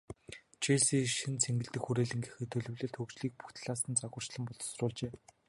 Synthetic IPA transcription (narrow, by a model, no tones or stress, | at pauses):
t͡ɕʰeɮsiːʃɘ̆nt͡sʰeŋɡɘ̆ɮt̪ɘ̆kxuɾeːɮɘ̆ŋɡĭxɘ̆t̪ʰːɵɮɵ̆wɮĕːɮt̪ʰɵkt͡ɕɮiːk̚pu̥xt̪ɮaːsə̆nt͡saɣʊ̆ːr̥t͡ɕɮə̆mpɔɮt̪srʊːɮt͡ɕeː